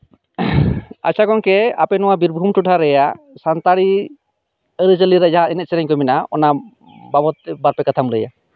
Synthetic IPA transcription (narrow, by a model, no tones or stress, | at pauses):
a̰t͡ʃakɔŋkɛa̰pɛnɔwabiɾbʱumʈuʈʰaɾɛja | sant̪aɽi | əɾəd͡ʒəliɾad͡ʒaɦainɛt̪̚t͡ʃɛɾɛɲkɔminaɔ̰na | babɔt̪̚baɾpɛkat̪ʰamləja̰